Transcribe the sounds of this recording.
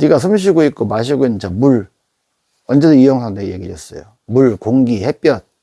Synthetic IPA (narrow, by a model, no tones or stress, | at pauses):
niɡasʰɯmɕ̬ʰiɡoit̚k͈omaɕ̬ʰiɡɯinnt͡ɕʌmuɭ | ʌnd͡ʑedoijʌŋsʰaŋdejeɡiɾʌs͈ʌ̰jo̰ | muɭkoŋɡihep͈jʌt̚